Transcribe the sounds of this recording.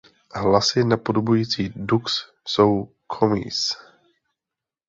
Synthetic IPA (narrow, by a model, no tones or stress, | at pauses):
ɦlasɪnapodobujiːt͡siːduks | sow | kʰomḭːs